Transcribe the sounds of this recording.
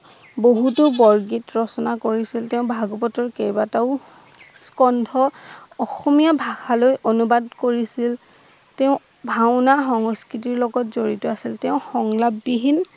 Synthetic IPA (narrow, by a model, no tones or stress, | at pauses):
boɦutʊbɔɹɡitɹɔsɔnakoɹisilteʊ̃bʱaɡɔpɔtɔɹkejbataʊ | skɔndʱɔɔxɔmijabʱaxalojʔonubadkoɹisil | teʊ̃ | bʱaʊnaxɔŋskit̬iɹlɔɡɔtzoɹitɔasilteʊ̃xɔŋlabːiɦin